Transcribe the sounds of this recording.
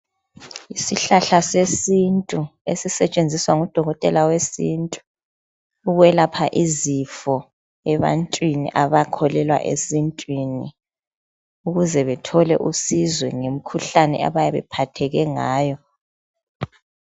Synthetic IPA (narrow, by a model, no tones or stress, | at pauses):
isiɬaɬasesintʼuesisɛt͡ʃʼend͡zʱiswaŋud̥ʱɔɣɔtʼɛlawesintʼu̥ː | ɣwɛlapʰaʔizifɔ | ɛβa̰ntʼwinḭʔaβakʰɔlɛlwa̰ʔḛsintʼwinḭ | uɣuzɛβɛtʰɔlɛ̰ʔusizwɛŋem̩kʰuɬanɛ̰a̰βajaβɛ̰pʰatʰɛɣɛŋaːjɔ